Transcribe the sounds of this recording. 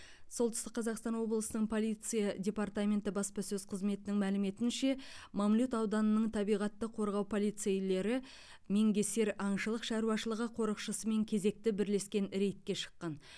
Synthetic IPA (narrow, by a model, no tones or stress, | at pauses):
so̞lˠt̪ə̥ʏst̪ɪqːʰɑzɑqst̪ɑnwo̞blˠəsənəɴpʰo̞lˠijt̪sɨjadʲe̞paɾt̪amʲe̞nt̪ɪbɑspɑsɵzqʰəzme̞t̪ɪnɪŋmælɪme̞t̪ɪnʃe̞mɑmlʲut̪ɑwd̪ɑnənəɴt̪ʰɑbijʁɑt̪ːəqʰo̞ɾʁɑwpʰo̞lˠijt̪sejle̞ɾɪ | me̞ŋɡʲe̞se̞ɾɑɴʃəlˠəqʃɑɾuwɑʃəlˠəʁəqʰo̞ɾəqʃəsəme̞ŋkʲʰe̞ze̞k̚t̪ɪbɪɾle̞skʲe̞nɾe̞jt̪̚kʲe̞ʃə̥qːɑn